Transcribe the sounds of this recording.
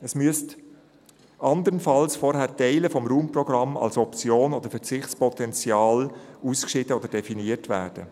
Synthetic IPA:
əsmyəst | ʔɑnd̪əɾənfɑlsfɔɾhæːɾtɛɪləfɔmɾuːmprɔɡɾɑmɑ̰lsɔpt͡sjoːnod̥əɾfɛɾt͡sɪχt͡spɔtɛnt͡sjɑːluːskʃɪtəod̥əɾdɛfiniətvæ̰ːɾd̥ə

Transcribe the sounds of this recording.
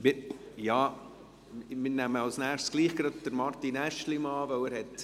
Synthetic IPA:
mɪɾjɑː | mɪnæməɑlsnæːχsɡ̥liːχɡ̥ɾɑd̚d̥əɾmɑɾt̪inæʃlimɑːvœʊæɾhɛt

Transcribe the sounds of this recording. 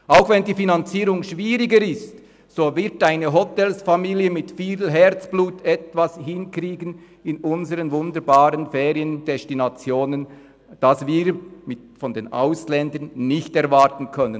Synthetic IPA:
ʔaʊxvɛndiːfinant͡siːʁʊŋʃviːʁɪɡəɾɪst | soːvɪɾtaɪnəɦɔtɛlsfamiːljəmɪtfiːlɦɛʁt͡sb̥luːtʰɛtvashɪnkriːɡən | ɪnʊnzəʁənvʊndəɾbaːʁənfeːʁiənd̥ɛstinat͡sjoːnən | d̥asviːɾmɪtfɔndeːnʔa̰ʊslɛndənːɪçtɛʁvaʁtən̩kʰœnən

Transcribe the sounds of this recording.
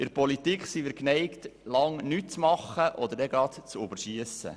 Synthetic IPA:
ɪɾpɔlitikχsimiːɾknɛɪktlɑŋnyt̚t͡smɑχəʔɔd̪əɾdɛɡɑt̪t͡sʊbəɾʃiəsə̰

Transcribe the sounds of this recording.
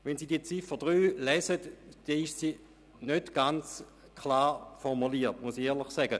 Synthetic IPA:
ʋɛnziːdiət͡sifəd̥ʁyːlɛːsətd̥ɛiʃsiː | nøtɡ̥ant͡s | kʰlaːfɔʁmuliːɐtmusieːɐlˠɪχsɛɡə

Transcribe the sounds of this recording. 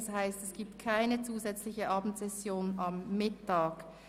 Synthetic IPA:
shaɪstɛsɡ̥iːp̚tkʰaɪnət͡suːzɛt͡slɪçəʔɑːbm̩tz̥ɛsjoːnɑmːɪtʰaːk

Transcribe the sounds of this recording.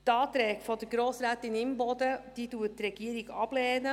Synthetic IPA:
t̪ɑːt̪ɾɛːɡ̥fɔd̪əɡɾoːsɾæːt̪ɪnɪmbɔd̪əd̥iːduːət̚tɾɛɡ̥iəɾiɡɑb̥lɛːnə

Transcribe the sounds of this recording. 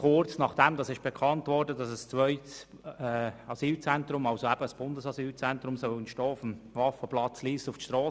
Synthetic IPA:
kʊrt͡snɑχd̥ɛmdɑsɪʃb̥ɛkʰɑntvɔɾdədɑsəst͡sʋœʏts | ɛɑsiːlt͡sɛntɾʊmɑlsoæb̥əəsb̥ʊndəsɑsyːlt͡sɛntɾʊmsœlənʃtɔːʊfəmvɑfəplɑt͡sliːstʊftʃtɾɔː

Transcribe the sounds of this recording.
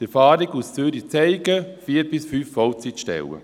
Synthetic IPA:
d̥̪ɛfaːɾiɡussyːɾit͡sɛɪɡəfiːəɾbɪsfyːfːɔlt͡sitʃtɛ̰wə̰

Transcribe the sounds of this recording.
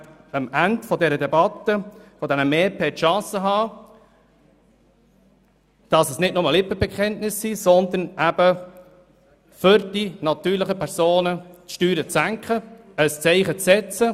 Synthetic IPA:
əmændfɔdɛɾəd̪ɛbɑt̪ːəfɔd̪ɛnəmɛːpʰeːtʃɑ̃ːsəɦɑː | d̥ɑsəsnɪtnʊməlɪpəbɛkχɛntnɪsːisɔnd̪ənʔæb̥ə | fʏɾd̥inɑt̪yːɾləχəpʰɛɾsoːnətʃtyːɾət͡sæŋkχə | əst͡sɛɪχət͡sːɛt͡sə

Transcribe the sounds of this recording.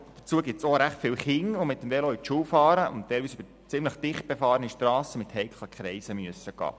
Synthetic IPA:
d̥ə̥t͡suəɡɪptsoɾæχtfɪlχɪŋʋomɪt̪ːəmvɛlɔit͡ʃuːwfɑːɾəʔʊ̰nt̪ːɛɪlʋiːsyb̥ə | t͡sɪmləχd̥̪ɪχt̚b̥efɑːɾəniʃtɾɑːsəmɪt̪hɛɪkχlˠəkχɾɛɪsəmyəsəɡ̥ɑ̰ː

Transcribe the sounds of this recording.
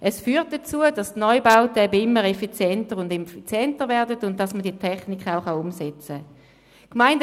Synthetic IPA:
ʔɛsfyːʁt̚d̥ɐt͡suədɑstnɔʏbaʊtəɛbɪmːəʁɛfit͡sjɛntəʁʊndɛfit͡sjɛntəʁvɛɐdətʊnt̚d̥ɑsmədiətʰɛχnikχaʊχɑʊmsɛt͡sə | kmaɪnd

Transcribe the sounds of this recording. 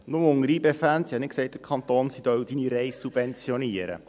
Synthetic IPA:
nʊməʊŋəɾiːbefænsihɑnɪt̚ksɛɪt̚d̥̪əɾkʰχɑnt̪oːnsid̥̪œwd̥iniɾɛɪsːub̥vɛnt͡sjɔniəɾə̰

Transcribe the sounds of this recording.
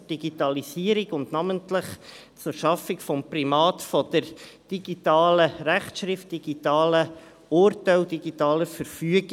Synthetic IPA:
d̥iɡitɑlisiːəɾiɡʊndnɑməntləχ | t͡sʊɾʃɑfɪkfɔmprimɑːtfɔd̥̪əɾd̥iɡ̥itɑːləɾæχtʃɾɪft̚d̥iɡ̥itɑːlə | ʊɾtɛwdiɡitɑːləfəɾfyəɡ

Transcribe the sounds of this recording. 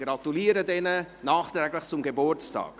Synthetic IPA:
ɡ̥ɾɑtuliːəɾədɛnənɑːχt̪ɾɛːɡləχt͡sʊmɡebʊrt͡stɑ̰ːk

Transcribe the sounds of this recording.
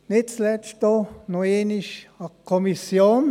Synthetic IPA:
nɪt̪slɛʃt̪onoeːniʃakʰːomisjoːn

